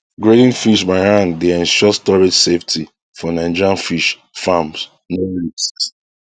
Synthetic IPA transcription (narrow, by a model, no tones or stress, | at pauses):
ɡɹedĩnfiʃbaɹãndeaĩnʃɔstɔɹed͡ʒseftʰi | fɔnãɪ̃nd͡ʒɹãnfiʃ | fãms | noliss